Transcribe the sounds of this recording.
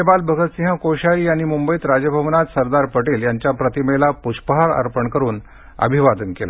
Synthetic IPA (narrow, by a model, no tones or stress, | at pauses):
ebalbʱəɡʱət̪siɦə̃koɕaɾiːaɽ̃imumbəiːt̪ɾad͡ʑjəbʱəʋnat̪səɾd̪aɾpəʈiːljaɲt͡ɕjapɾət̪imelapuɕpəɦaɾa̰ɾpəɳkəɾuːn | ə̰bʱiʋad̪ənkela̰